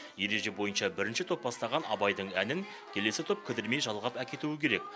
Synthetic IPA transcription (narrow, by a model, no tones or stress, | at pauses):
je̞ɾe̞ʒe̞bo̞jənʃɑbɪɾɪnʃɪt̪ʰo̞p̚ːbɑst̪ɑʁɑnɑbɑjd̪əɴænɪŋ | kʲʰe̞le̞sɪt̪ʰo̞p̚kʲʰɪd̪ɪɾme̞jʒɑlˠʁɑpækʲe̞t̪uɪkʲʰe̞ɾe̞k̚